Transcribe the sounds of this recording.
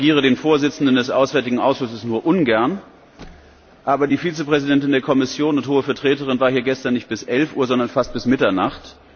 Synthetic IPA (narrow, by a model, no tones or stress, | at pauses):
ɡiːʁ̞ədeːnfoːɐzɪt͡sn̩dəndɛsʔa̰ʊsvɛɐtɪɡŋ̩ʔaʊsʃʊsəsnuːɐʔʊnɡɛɐn | ʔaːbɐdiːfiːt͡səpʁ̥ɛzidɛntɪndeːɐkʰɔmɪsjoːnʊnthoːəfɛɐtʁ̥eːtəʁɪnvaːɐɦiːɐɡɛstɐnːɪçt̚b̥ɪsʔɛlfʔuːɐzɔndɐnfast̚b̥ɪsmɪtɐnaχt